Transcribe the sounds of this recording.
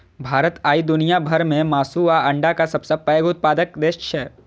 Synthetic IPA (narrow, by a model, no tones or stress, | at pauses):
bʱaːɾət̪aːid̪ʊnijabʱɐɾmẽmaːsuʋaɐ̃ɳɖakasɐbsɐpɛːɡʊt̪̚paːd̪əkd̪eːʃt͡ʃʰɛ